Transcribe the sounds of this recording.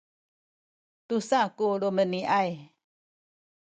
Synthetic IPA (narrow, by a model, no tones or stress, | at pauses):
t̪usakuluməniʔaj